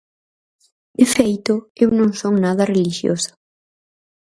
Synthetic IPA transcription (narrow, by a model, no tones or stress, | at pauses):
d̪efejt̪ʊewnõŋsoŋnaðɐreliʃjo̰sɐ̥